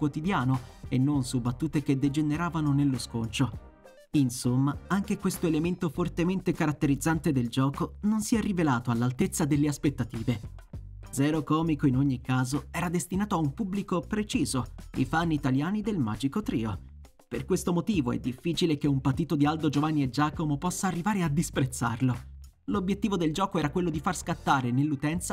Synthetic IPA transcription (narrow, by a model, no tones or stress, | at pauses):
kwot̪id̪jaːnoenːonsubːat̪ːuːt̪ek̟ed̪ːed͡ʒeneɾaːvanonelːoskont͡ʃo | insomːaaŋk̟ekwest̪oelement̪ofort̪ement̪ekaɾat̪ːeɾid̪zːant̪ed̪eld͡ʒɔːkononsiɛrːivelaːt̪oalːalt̪et̪sːad̪elːeaspet̪ːat̪iːve | d̪zɛːɾokɔːmikoinoɲːikːaːzoɛːɾad̪est̪inaːt̪oaumpubːlikopɾet͡ʃiːzoḭfanːit̪aljaːnid̪elma̰ːd͡ʒikot̪ɾḭːo | perkwest̪omot̪iːvoɛ̰d̪ːifːiːt͡ʃilekeumpat̪ːiːt̪od̪iald̪od͡ʒovanːied͡ʒːaːkomopɔsːaːrːivaːɾead̪ispɾet̪sːa̰rlo | lobjet̪ːiːvod̪eld͡ʒɔːkoɛːɾakwelːod̪ifarskat̪ːaːɾenelːut̪ɛnt̪sa